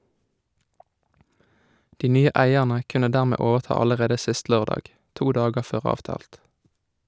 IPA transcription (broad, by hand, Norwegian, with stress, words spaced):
ˈdiː ˈnyːə ˈʔæɪɛʁnə ˈkʉnə ˈdæːʁˌmeː ˈoːʋəʁˌtɑː ˌɑləˈʁeːdə ˈsɪst ˈløːʁdɑːɡ ˈtuː ˈdɑːɡəʁ ˈføːʁ ˈɑːʋˌtɑːlt